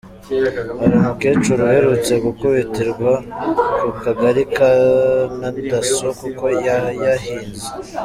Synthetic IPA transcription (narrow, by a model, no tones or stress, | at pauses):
haɾimuke̞ːt͡ʃuɾuhe̞ɾut͡se̞ɡukoβeteɾɡwakukaɡaɾikanadasokuko̞jajahiːnze